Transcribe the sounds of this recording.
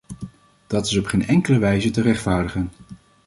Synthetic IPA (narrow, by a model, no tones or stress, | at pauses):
d̥ɑtɪsɔpχeːjnɛŋkələʋɛjzətərɛχtfaːɹdəχən